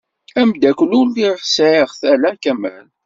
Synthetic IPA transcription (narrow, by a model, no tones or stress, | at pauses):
æmd̪ækʷlulliɾħsʕiʁθælækæm̰l